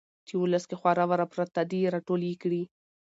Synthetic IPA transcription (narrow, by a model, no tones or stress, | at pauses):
t͡ʃ̪iwʊləskexwɑɾawaɾapɾat̪ːadeɾaʈolikɽi